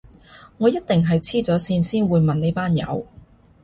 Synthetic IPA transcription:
ŋɔː˨˧jɐ˥t̚t̪ɪ˨ŋɦɐ˨jt͡sʰiː˥t͡sɔː˨˥siː˧nsiː˥nwuː˨˧jmɐ˨nne˨˧jpaː˥njɐ̰˨˧w

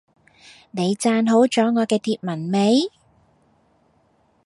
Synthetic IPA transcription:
ne˨˧jt͡saː˧nɦo˨˥wt͡ʃɔː˨˥ŋɔː˨˧kɛː˧t̪ʰiː˧t̚mɐ˨˩nme˨˧j

